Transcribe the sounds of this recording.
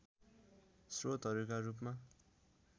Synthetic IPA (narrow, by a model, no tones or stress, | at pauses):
srot̪ɦʌɾukaɾupma